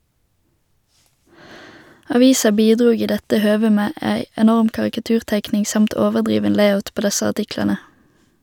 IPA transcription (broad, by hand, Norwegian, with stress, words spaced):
ɑˈʋiːsɑ ˈbiːˌdʁuːɡ ˈiː ˈdɛtə ˈhøːʋə ˈmeː ˈæɪ ɛˈnɔʁm kɑʁɪkɑˈtʉːʁˌtæɪknɪŋ ˈsɑmt ˈoːʋəʁˌdʁiːʋən ˈleɪaʊt ˈpoː ˈdɛsə ɑʁˈtɪklɑnə